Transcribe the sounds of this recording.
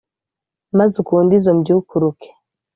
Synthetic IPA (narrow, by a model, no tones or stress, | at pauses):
mazukuːndizomɟuukuɾukʰe̥